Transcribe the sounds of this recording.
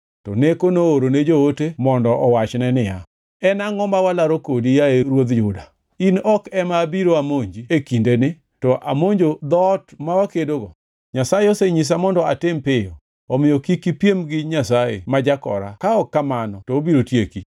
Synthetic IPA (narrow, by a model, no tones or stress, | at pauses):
tɔnekonoːɾoned͡ʒootemɔndɔʔɔwat͡ʃnɛnɪja̰ | ɛnaŋɔmbawalaɾokodijaeɾwod̪jʊda | inɔkɛmabiɾoamoɲd͡ʒiekindenɪ | tɔʔa̰moɲd͡ʒod̪ɔtmawakedoɡɔ | ɲasajeoseɲis̬amɔndɔatɪmpɪjo | ɔmɪjokikipjemɡɪɲasajḛmad͡ʒakɔ̰ɾa̰kaɔkːamanɔtɔobiɾotjeki